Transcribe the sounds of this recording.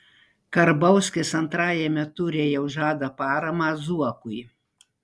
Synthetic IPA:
kɐɾbɐʊsʲkʲɪsɐnt̪ɾɑːjɛmʲɛt̪ʊɾʲeːjɛʊʒɑːd̪ɐpɑːɾɐmɑːzuɔkʊj

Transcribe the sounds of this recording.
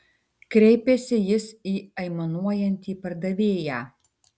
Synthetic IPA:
kɾʲɛɪpʲesʲɪjɪsiːɐɪmɐnuɔjɛnʲt̪ʲiːpɐɾd̪ɐʋʲeːjæː

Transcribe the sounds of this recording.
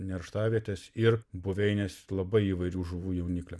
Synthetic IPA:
nʲɛɾʃt̪ɑːʋʲiɛt̪ʲɛsɪɾbʊʋʲɛɪnʲɛslˠɐbɐɪiːʋɐɪɾʲuːʒʊʋuːjɛʊnʲiːklʲɛ

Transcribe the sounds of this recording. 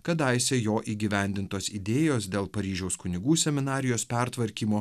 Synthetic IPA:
kɐt̪ɐɪsʲejoːʔiːɡʲɪʋʲɛˑnʲd̪ʲɪnt̪oːsid̪ʲeːjoːsd̪ʲeːlˠpɐɾʲiːʒʲɛʊskʊnʲɪɡuːsʲɛmʲɪnɑːɾʲɪjoːspʲɛɾt̪ʋɐɾʲkʲiːmoː

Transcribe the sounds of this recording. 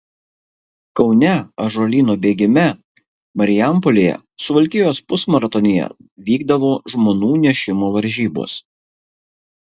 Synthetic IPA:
kɒʊnʲɛɐʒoːlʲiːnoːbʲeːɡʲɪmʲɛ | mɐɾʲɪjæmpɔlʲeːjɛ̰sʊʋɐlʲkʲɪjjoːspʊsmɐɾɐt̪ɔnʲejɛ̰ʋʲiːɡd̪ɐʋoːʒmoːnuːnʲɛʃʲɪmoːʋɐɾʲʒʲiːbo̰ːs

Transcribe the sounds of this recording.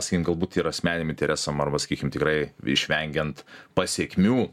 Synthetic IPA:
sɐ̥kʲikɪmɡɐlˠbuːt̪iːɾɐsʲmʲæːnʲɪmɪnt̪ʲɛɾʲæːsɐmɐrbɐsɐ̥kʲiːkʲɪmt̪ʲɪkrɐɪɪ̰ʃʲʋʲɛŋʲɡʲɛnt̪pɐsʲiɛkʲmʲuː

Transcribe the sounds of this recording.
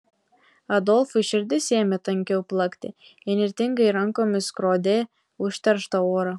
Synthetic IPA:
ɐd̪ɔlʲˠfʊiʃʲɪɾʲd̪ʲɪsʲeːmʲɛt̪ɐŋʲkʲɛʊplˠɐkt̪ʲɪɪnʲɪɾʲt̪ʲɪŋɡɐɪɾɐŋkoːmʲɪskɾoːd̪ʲeː | ʊʃʲt̪ʲɛɾʃt̪ɐoːɾɐ

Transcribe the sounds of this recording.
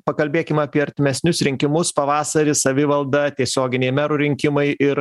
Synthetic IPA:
pɐkɐlʲbʲeːkʲɪmɐːpʲiɛɐɾʲt̪ʲɪmʲɛsʲnʲʊsɾʲɪŋʲkʲɪmʊspɐʋɑːsɐɾʲɪsɐʋʲɪʋɐlˠd̪ɐt̪ʲiɛsʲoːɡʲɪnʲeɪmʲæɾʊɾʲɪŋʲkʲɪmɐɪɪɾ

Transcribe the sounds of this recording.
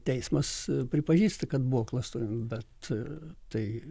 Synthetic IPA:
t̪ʲɛɪsmɐspʲɾʲɪpɐʒʲiːst̪ɐkɐt̪̚buoklˠɐst̪uɾʲɪmbʲɛt̪ | tɐɪ

